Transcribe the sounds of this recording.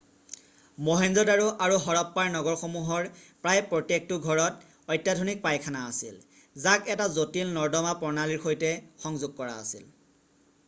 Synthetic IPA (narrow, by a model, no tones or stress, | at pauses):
mɔɦenzɔdaɹuʔaɹuɦɔɹɔpːaɹnɔɡɔɹxomuɦɔɹpɹajpɹotek̚tuɡʱɔɹɔt | ɔjtːjadʱonik̚pajkʰanaːsil | zakɛtazotilnɔɹdɔmapɔɹnaliɹxojtɛxɔŋzʊɡ̚kɔɹa̰ːsil